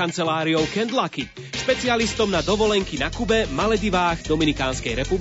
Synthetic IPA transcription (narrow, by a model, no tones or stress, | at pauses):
ant͡sɛlaːɾiɔʊkɛnd̪laki | ʃpɛt͡sialist̪ɔmnad̪ɔʋɔlɛŋkinakubɛmalɛd̪iʋaːɣd̪ɔminikaːnskɛjɾɛpub